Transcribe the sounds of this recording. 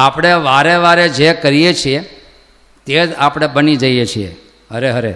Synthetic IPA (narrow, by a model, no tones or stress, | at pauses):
apɽ̃eʋaɾeʋaɾed͡ʒekəɾijet͡ʃʰie | t̪ed͡ʒapɽ̃ebənid͡ʒəjet͡ʃʰiḛ | ɦəɾeɦəɾḛ